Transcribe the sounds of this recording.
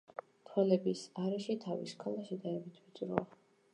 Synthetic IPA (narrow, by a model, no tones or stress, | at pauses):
t̪ʰwɛlɛbisaɾɛʃit̪ʰavḭskʰalˠaʃɛd̪aɾɛbit̪ʰvit̪sʼɾɔa